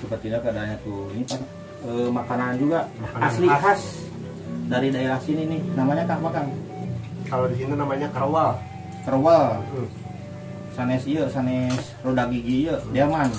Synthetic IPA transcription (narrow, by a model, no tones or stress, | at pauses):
səpərt̪iɲakadaɲat̪uinipas | əmakanand͡ʒuɡaʔasliaɦas | daɾidaeɾahsinininamaɲak̪aʔmakan | kalodiinənamaɲakəɾwal | kəɾwal | sanɛsiəsanɛs | rodaɡiɡiːədiaman